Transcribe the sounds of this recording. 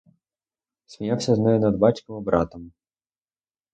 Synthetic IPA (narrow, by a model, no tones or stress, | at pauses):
sʲmʲijawsʲɐznɛjɛnɐd̪bɑt͡ʃʲkɪmɔbɾɑt̪ɐm